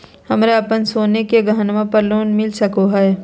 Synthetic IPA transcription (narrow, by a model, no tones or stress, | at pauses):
hɐmɾeɐpənsoːnekeɡʱəɦənʋãpɐɾloːnmɪlsɐkoɦaɛ